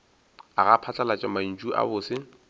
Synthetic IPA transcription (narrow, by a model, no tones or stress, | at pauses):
aɣapʰat͡ɬʼalat͡ʃʼɪman̩t͡ʃʼuʔa̰bʊːsɪ